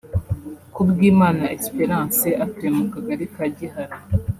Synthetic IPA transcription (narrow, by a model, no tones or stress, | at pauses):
kubɡiːmaːnaekspeɾaːnseʔatemukaɡaɾikaɟihaɾi